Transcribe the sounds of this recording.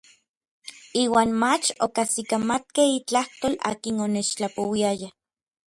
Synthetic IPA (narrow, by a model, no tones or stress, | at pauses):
iːwaːnmat͡ʃokasikamat̪̚kehit͡ɬaht̪oːla̰ːkinonet͡ʃt͡ɬapowiaja